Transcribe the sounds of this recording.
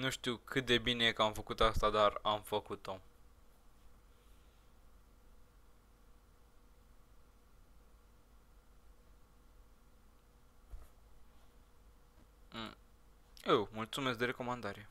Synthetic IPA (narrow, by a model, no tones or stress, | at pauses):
nuʃt̪iwkʰɨt̪̚d̪e̞binekəamfəkut̪oast̪ad̪aramfəkut̪o̞ | ewmult̪sumeskd̪eɾe̞ko̞mand̪aɾe̞